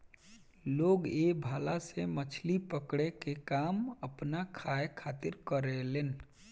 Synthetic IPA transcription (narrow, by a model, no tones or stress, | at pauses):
loːɡebʱaːlasemət͡ʃʰlipəkɽekekaːməpnakʰaekʰat̪ɪɾkəɾeleːn